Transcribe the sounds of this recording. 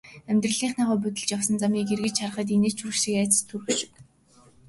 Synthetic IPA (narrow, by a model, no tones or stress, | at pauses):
æmʲt̪rə̆ɮiːχnaːʁʊːp̬ut̪ɘ̆ɮt͡ɕjawsə̆nt͡samiːkerɣɘ̆t͡ɕχar̆χə̆t̪̬ineːt͡ɕʰuʃĭkæːt͡sə̥̆st̪ʰurɣɘ̆ʃɪ̥̆k